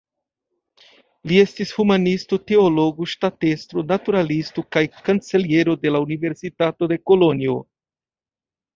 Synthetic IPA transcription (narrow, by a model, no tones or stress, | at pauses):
lie̞stishumanistote̞olo̞ɡuʃtatestɾonatuɾalistokajkant͡se̞lie̞ɾo̞de̞launive̞ɾsitato̞de̞ko̞lo̞nio̞